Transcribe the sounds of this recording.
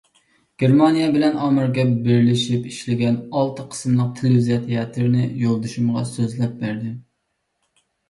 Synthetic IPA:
ɡ̥ʲeɾmɑnijɛbɪlɛnɑːmɨɾɡʲɛbeɾɪlɪʃipiʃlɪɡʲɛnɑlˠt̪ʰɨqʰə̥smlˠəq̚t̪ʰelvizijɛt̪ʰijɛt̪ʰɨɾnɪjolˠd̪uʃumʁɑsøzlɛp̚bæɾd̪ɪ

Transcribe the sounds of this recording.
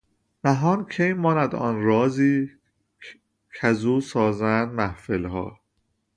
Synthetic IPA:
mæɦɒːncʰejmɒːnæd̪ɒ̰ːnɾɒːziː | cʰæzuːsɒːzænd̪mæhfelhɒ̰ː

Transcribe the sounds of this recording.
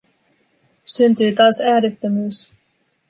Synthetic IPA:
synt̪yːt̪ɑːsæːɾet̪ːømyːs

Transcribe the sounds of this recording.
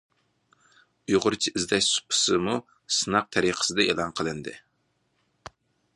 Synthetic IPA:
ujʁʊɾt͡ʃʰiʔizd̪ɛʃsu̥pʰɨ̥sɨmu | sɨnɑq̚t̪ʰɛɾiqʰə̥sɨd̪ɛelˠɑnqʰəlˠɨnd̪ɨ̰

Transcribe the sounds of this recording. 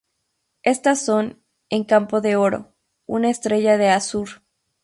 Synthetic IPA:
e̞st̪asːo̞n | eŋkampo̞ðe̞o̞ɾo̞̰ | unaest̪ɾe̞ʝaðe̞asuɾ

